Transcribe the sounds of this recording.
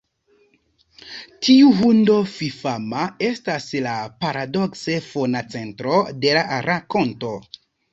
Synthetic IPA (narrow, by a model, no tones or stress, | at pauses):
tʰiuɦundo̞fifamae̞staslapaɾadokse̞fonat͡se̞ntɾode̞laɾako̞nto̞